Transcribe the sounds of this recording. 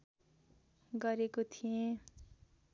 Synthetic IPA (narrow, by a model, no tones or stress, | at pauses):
ɡʌɾekot̪ʰijẽ